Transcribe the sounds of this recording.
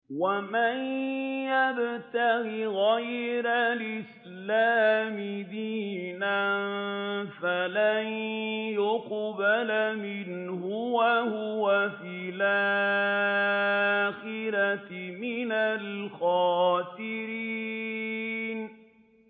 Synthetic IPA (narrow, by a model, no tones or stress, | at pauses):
wamanjabt̪aɣiɣajɾalʔɪs | laːmɪd̪iːnannfalanjʊqbalamɪnhʊwahʊwafiːlʔa | xɪɾamɪnalxɑːt̪ɪɾi | n